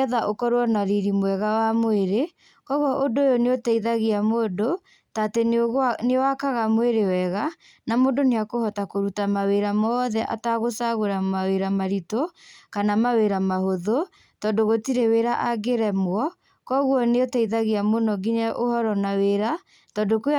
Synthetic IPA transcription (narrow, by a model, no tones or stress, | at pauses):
ðaʔokɔɾowɔnaɾiɾimwɛɣawamoeɾe | kɔɣwɔʔodoːjoneotɛiðaɣiamodo | tatenewakaɣamoeɾewɛɣa | namodoneakohɔtakoɾutamaweɾamɔːðɛʔa̰taɣosaɣoɾamaweɾamaɾitokanamaweɾamahoðo | tɔdoɣotiɾeweɾaʔaɡeɾɛmwɔ | kɔɣwɔneotaiðaɣiamonɔɡiɲaʔohɔɾɔnaweɾa | tɔdok